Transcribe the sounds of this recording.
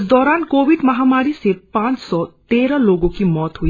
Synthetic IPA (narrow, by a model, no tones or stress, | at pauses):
sd̪ɔɾankobiɖmɐɦamaɾisepãnt͡ʃsɔt̪eɾʌloɡokimɔt̪ɦu